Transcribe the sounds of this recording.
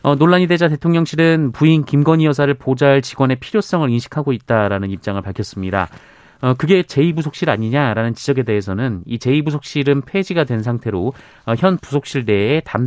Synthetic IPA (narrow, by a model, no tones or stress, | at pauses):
ʌnoɭːaɲide̞d͡ʑate̞tʰoŋɲʌŋɕʰiɾɯnpuinkimɡʌɲijʌs̬ʰaɾɯɭpod͡ʑaɭt͡ɕiɡwʌne̞pʰiɾjos͈ʌŋɯɾinɕʰi̥kʰaɡoit̚t͈aɾanɯnip̚t͡ɕ͈aŋɯɭpaɭkʰjʌs͈ɯmɲida̰ | ʌkɯɡe̞t͡ɕe̞ibusʰok̚ɕ͈iɾaɲiɲaɾanɯnt͡ɕid͡ʑʌɡe̞de̞ɦesʰʌnɯnit͡ɕe̞ibusʰok̚ɕ͈iɾɯnpʰe̞d͡ʑiɡadwe̞nsʰaŋtʰe̞ɾo | ʌçjʌnpusʰok̚ɕ͈iɭde̞ːtam